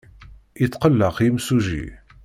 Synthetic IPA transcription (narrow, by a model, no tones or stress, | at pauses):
it͡sːqəlːəqimsuʒḭ